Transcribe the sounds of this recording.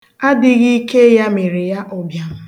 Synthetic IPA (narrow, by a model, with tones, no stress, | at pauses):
a˦dɪ˦ɣi˦i˦ke˦ja˦me˨ɾe˨ja˦ʔɔ˨bja˨m̩˦